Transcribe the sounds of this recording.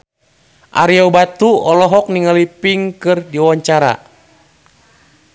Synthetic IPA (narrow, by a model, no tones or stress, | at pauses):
ʔa̰ɾiɔbat̪uɔlɔɦɔk̚niŋalipiŋkɨrdiwaɲt͡ʃaɾa̰